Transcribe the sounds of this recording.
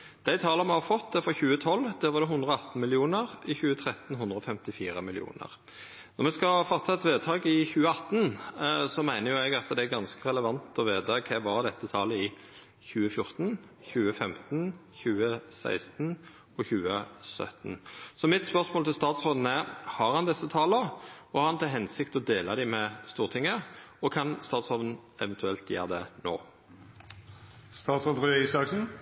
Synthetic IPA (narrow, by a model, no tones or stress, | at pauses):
d̪̥æɪt̪ʰɑːləmɛhɑɾfɔt̪̚d̪ɛfɔçʉːət̪ʰɔlːd̪æːɾʋɑɾd̪ɛɦʉnd̪ɾəɔɑt̪n̩mɪlɪuːnəʁɪçʉːət̪ʰɾɛt̪n̩hʊnd̪ɾəɔfɛmt̪ɪfiːɾəmɪlɪ̰ṵːnə̰ʁ | nɔɾmɛskɑfɔt̪ʰːɑɛt̪ʋeːt̪ʰɑːɡɪçʉːəɑt̪n̩sɔmæɪnəjʊɛɡɑt̪d̪ɛæɡɑnskəʁɛləʋɑnt̪ɔʋeːd̪ɑkʰɛʋɑɾd̪ɛt̪ːət̪ʰɑːləɪ | çʉːəfjʊɾt̪n̩ | çʉːəfɛmt̪n̩çʉːəsæ̰ɪst̪n̩ | ɔçʉːəsœ̰t̪n̩sɔmɪt̪spœʁsmoːlɪlst̪ɑːt̪sʁoːd̪nəhɑʁhɑnd̪ɛsːət̪ʰɑːləɔhɑɾɑnt̪ʰɪlɦɛnsɪkt̪ɔd̪eːlɑd̪æɪmɛst̪uːʁt̪ʰɪŋːəɔkʰɑnst̪ɑːt̪sʁoːʋən̩ɛʋɛnt̪ʰʉɛlt̪jæ̰ːʁd̪ɛno̰ː | st̪ɑːt̪sʁod̪ʁøisɑksn̩